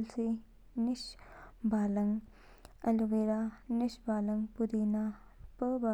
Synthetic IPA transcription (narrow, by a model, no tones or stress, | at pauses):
lsi | nisbalɐŋ | ɐluweɾanisbalɐŋpud̪ina | pəba